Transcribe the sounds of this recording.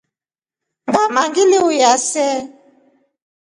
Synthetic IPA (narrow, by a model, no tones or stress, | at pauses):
ŋɡamaŋɡileujasɛ